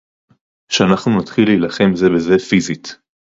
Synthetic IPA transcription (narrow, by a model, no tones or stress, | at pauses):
ʃeanaχnunatχiliːlaχe̞mze̞be̞ze̞fizit